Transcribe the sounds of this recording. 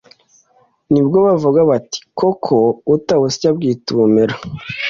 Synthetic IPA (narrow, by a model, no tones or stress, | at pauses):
nibɡoβavuɡaβati̥kokʰoutawusi̥cab̚ɡiːtuːmeɾo